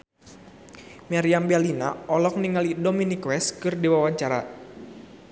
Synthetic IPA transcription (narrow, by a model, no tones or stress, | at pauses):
maɾiambɛlina̰ɔlɔk̚niŋalidominikwɛskɨrdiwawaɲt͡ʃaɾa̰